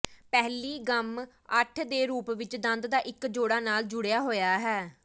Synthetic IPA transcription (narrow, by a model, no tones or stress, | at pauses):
pɛɦliːɡəm | əʈʰd̪eːɾuːpʋɪt͡ʃd̪ə̃nd̪d̪aːʔɪkd͡ʒoːɽaːnaːld͡ʒʊɽejaːɦoːjaːɦɛː